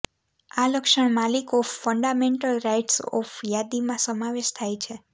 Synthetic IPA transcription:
aləkʃəɳmalikɔffəɳɖameɳʈəlɾajʈsɔ̰fjad̪imãsəmaʋeʃt̪ʰajt͡ʃʰe

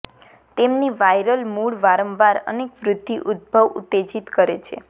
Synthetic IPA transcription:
t̪emniʋajɾəlmuɭʋaɾəmʋaɾə̰nekʋɾʊd̪ːiʔud̪̚bʱəʋṵt̪ːed͡ʒit̪kəɾet͡ʃʰḛ

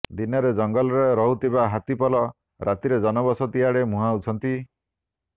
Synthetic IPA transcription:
d̪inɔɾed͡ʒɔŋɡɔlɔɾeɾɔɦut̪ibaɦat̪ipɔlɔ | ɾʔat̪iɾed͡ʒɔnɔbɔsɔt̪iɦaɽemũɦaut͡ʃʰɔnt̪i

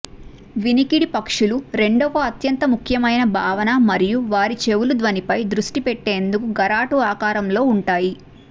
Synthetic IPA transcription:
ʋinikiɽipɐkʂuluɾe̞ɳɖɔkɐɐt̪jɐnt̪ɐmukʰjɐmɐjnɐbʱaːʋɐnɐmɐɾijuʋaːɾit͡ʃe̞wulud̪ʋɐnipɐjd̪ɾuʂʈipeʈːe̞ːnd̪ukuɡɐɾaːʈuaːkaːɾɐmlo̞ːuɳʈaːji

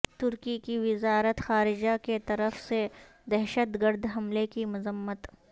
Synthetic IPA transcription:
t̪ʊɾkikiʋɪzaːɾət̪xaːɾɪd͡ʒaket̪ɐɾəfse | d̪ɛɦʃət̪ɡəɾd̪ɦɐmlekimʊzəmːət̪

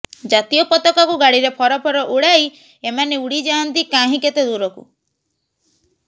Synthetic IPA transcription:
d͡ʒat̪ijɔpɔt̪ɔkakuɡaɽiɾepʰɔɾɔpʰɔɾɔʔuɽaj | emaneuɽid͡ʒaɔnt̪ikaɦĩket̪ed̪uɾɔkṵ

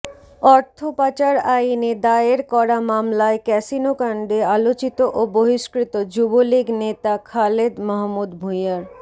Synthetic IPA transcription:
ɔɾt̪ʰopat͡ɕaɾained̪aeɾkɔɾamamlaekɛsinokaɳɖealot͡ɕit̪oʔoboɦiʃkɾit̪od͡ʑuboliɡnet̪akʰaled̪mɔɦmːud̪bʱujaɾ

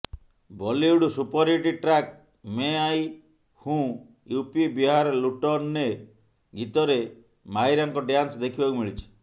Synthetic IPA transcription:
bɔliuɽusupɔɾiʈiʈɾak̚ | meaj | hũ | jupibiɦaɾɔluʈɔɾne | ɡit̪ɔɾe | majɾaŋkɔɖjansd̪ekʰibakumiɭit͡ʃʰi̥

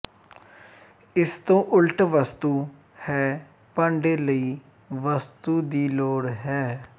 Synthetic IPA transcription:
ɪst̪õːʔʊlʈʋəst̪uː | hɛː | pãːɳɖeːləiː | ʋəst̪uːd̪iːloːɽɦɛː

